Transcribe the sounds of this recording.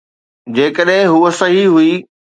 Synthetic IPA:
d͡ʑeːkəɗɦɪ̃ɦuːəsɐɦiɦuiː

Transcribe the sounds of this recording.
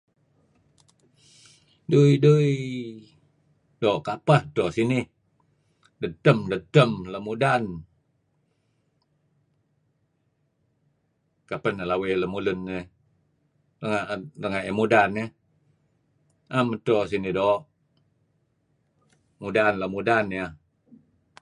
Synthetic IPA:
dujduj | doːʔkapəht̪oʔsinɪh | dət̪əmdət̪əmləmudan | kapənəlaweləmulʊnːəh | rəŋaʔrəŋaʔemudanə | ʔamət̪os̬inɪhdoʔ | mudanləmudanja

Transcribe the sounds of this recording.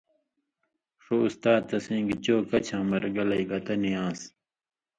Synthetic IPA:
ʂoust̪aːt̪ːɐsĩːŋɡit͡ɕoːkɐt͡ɕʰãːmɐɾɡɐlɐjɡɐt̪ɐnijãːs

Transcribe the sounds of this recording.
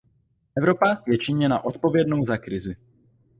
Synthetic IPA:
ʔɛvɾo̞pajɛt͡ʃɪɲɛna̰ʔo̞t̪po̞vjɛdno̞wzakɾɪzɪ

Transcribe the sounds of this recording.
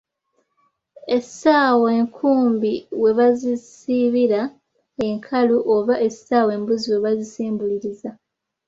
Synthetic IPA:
e̞saːweːŋkʰuːmbiwe̞βazisiβiɾa | e̞ŋkʰaluʔoβaʔe̞saːweːmbuziwe̞βazisiːmbuliɾiza

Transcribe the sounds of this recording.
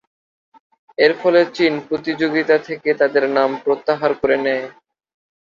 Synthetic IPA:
eɾfʰɔlet͡ɕinpɾot̪id͡ʑoɡit̪at̪ʰeket̪ad̪eɾnampɾot̪ːaɦaɾkoɾenɛe

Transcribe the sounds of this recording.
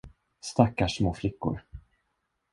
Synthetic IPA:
st̪akːaʂmoːflɪkːʊ̰ɾ

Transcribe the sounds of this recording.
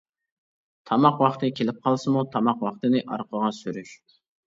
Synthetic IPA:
t̪ʰɑmɑqwɑχt̪ɨkʲʰelɪp̚qʰɑlˠsɨmut̪ʰɑmɑqwɑχt̪ɨnɪʔɑ̰ɾqəʁɑsyɾyʃ

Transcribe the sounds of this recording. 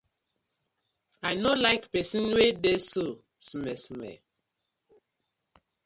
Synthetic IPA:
ajnolaɪkpɛsĩnwedeso | smɛsmɛ̰

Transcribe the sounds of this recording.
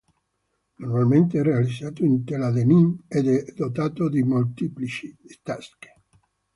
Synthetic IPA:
normalment̪eɛrealid̪zːaːt̪oint̪elad̪enimɛd̪ɛd̪ot̪aːt̪od̪imolt̪iplit͡ʃist̪aske̥

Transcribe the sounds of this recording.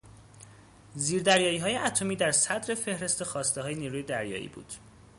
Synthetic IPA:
ziːɾd̪æɾjɒːiːɦɒːje̞ʔæt̪ʰo̞miːd̪æɾsæd̪ɾe̞fe̞hɾe̞st̪e̞xɒːst̪eɦɒːje̞niːɾuːje̞d̪æɾjɒ̰ːʔḭːbṵːd̪̥

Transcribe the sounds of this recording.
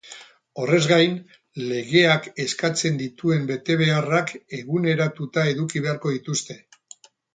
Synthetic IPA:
o̞re̞zɣajn | le̞ɣe̞ake̞skat͡se̞nd̪it̪ue̞mbe̞t̪e̞βe̞arake̞ɣune̞ɾat̪ut̪ae̞ðukiβ̞e̞aɾko̞ðit̪ust̪e̞

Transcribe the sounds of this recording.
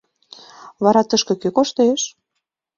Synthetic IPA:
βɑɾɑt̪əʃkɤ̆køkoʃt̪eʃ

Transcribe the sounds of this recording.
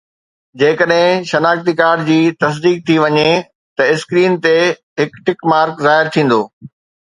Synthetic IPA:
d͡ʑeːkəɗɦɪ̃ʃɐnaːkt̪ikaːɾɖd͡ʑiːt̪ɐs̬d̪iːk̚t̪ʰiʋɐɲe | t̪ɐɪskɾiːnt̪e | ɦɪkʈɪkmaːɾkzaːɦɪɾt̪ʰĩːn̆d̪oː

